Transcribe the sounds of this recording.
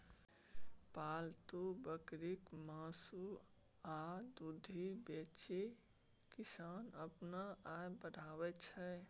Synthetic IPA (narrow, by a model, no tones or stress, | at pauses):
paːlt̪ubəkɾikmãːsu | ad̪ud̪ʱibet͡ʃe | kɪsanəpnaajbəɽ̤ʱaːwɛt͡ʃʰɛ